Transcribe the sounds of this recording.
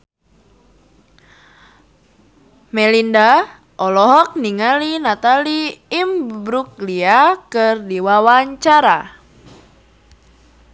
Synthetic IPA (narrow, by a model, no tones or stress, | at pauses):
mɛlinda | ʔɔlɔɦɔk̚niŋalinat̪aliːmbbɾuk̚liakɨrdiwawaɲt͡ʃaɾa